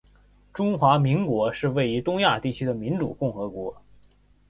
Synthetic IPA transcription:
ʈ͡ʂʊ˥ŋxwa˧˥mi˧˥ŋkwɔ˧˥ʂɻ̩˥˧we˥˩ɪy˧˥t̪ʊ˥ŋja˥˧t̪i˥˩t͡ɕʰy˥d̪ə˨mi˧˥nʈ͡ʂṵ˨˩kʊ˥˩ŋxɤ˧˥kwɔ˧˥

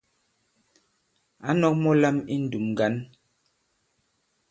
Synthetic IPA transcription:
a˨˦nɔ˦k̚mɔ˦la˦mi˦n̩˨du˨mɡa˦n

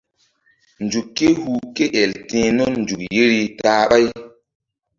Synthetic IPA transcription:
nd͡ʒu˨kːe˦hu˨ke˦ʔɛ˨ltĩː˨˦nɔ˦nnd͡ʒu˨kji˦ɾi˦taː˦ɓa˦j

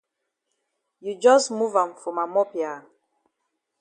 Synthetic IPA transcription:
ju˨d͡ʒɔsmuvã˨mfɔ̃˨ma˨mɔ˦pja˨

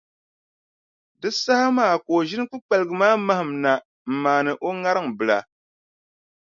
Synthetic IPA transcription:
dɨ˦sa˦ha˦maː˦˨koː˨ʒɪ˦nɨ˦k͡pu˦k͡pa˨lɨ˨ɡɨ˨maː˦ma˦hɨ˨mna˨ | m̩˨maː˨nɨ˨ʔo˦ŋa˦ɾɨ˦ŋbɨ˨la˨

